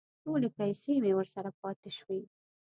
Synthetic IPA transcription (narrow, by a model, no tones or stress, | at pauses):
ʈolepajsemewəɾsaɾap̚ɑt̪ɪʃwe